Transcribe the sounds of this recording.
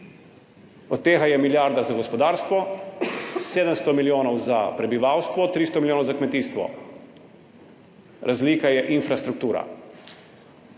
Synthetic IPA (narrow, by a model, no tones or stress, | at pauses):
ɔt̪ːeːɣajɛmiljaɾd̪azaɡɔspɔd̪aːɾst̪ʋɔ | seːd̪əmst̪ɔmiljoːnɔwzapɾɛbiʋaːwst̪ʋɔt̪ɾiːst̪ɔmilʲjoːnɔwzakmɛt̪iːst̪ʋɔ̰ | ɾʔazliːkajɛʔinfɾast̪ɾuk̚t̪uːɾa̰